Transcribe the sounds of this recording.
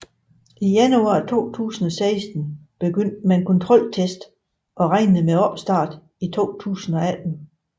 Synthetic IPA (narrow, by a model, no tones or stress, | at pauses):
ijænuɑ̈ːt͡sʰo̝̰ːt͡sʰṵːsn̩ɒsɑɪsd̥n̩b̥e̝ɡ̥øn̰d̥meenkʰɒ̽nt͡sʰʁɒ̽l̰t͡sʰesd̥ | ʔɒ̽ʁɑɪ̰nð̩ˠmeɒb̥sd̥ɑ̈ːd̥ | it͡sʰo̝̰ːt͡sʰṵːsn̩ɒ̽æd̥n̩